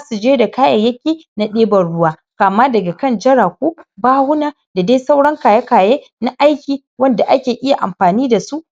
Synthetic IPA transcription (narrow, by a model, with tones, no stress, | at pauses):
zaː˦su˨d͡ʒeː˦da˨kaː˦jɐ˨jɐ˦kʲeː˨˦ | na˦ɗeː˦bɐ˨nɽʊ˦waː˦ | kaː˨maː˦dɐ˨ɡa˨kɐ˦˨nd͡ʒɐ˦ɽaː˨kʷuː˦baː˦hʊ˦naː˦ | da˨daː˦jsa˦wɽɐ˦ŋkaː˨jɐ˦kaː˨jeː˦ | na˦ʔa˦jkʲiː˨ | wɐ˦nda˨ʔa˦kʲeː˨ʔɪ˦ja˨ʔa˨mɸaː˨niː˦da˨su˦ʔ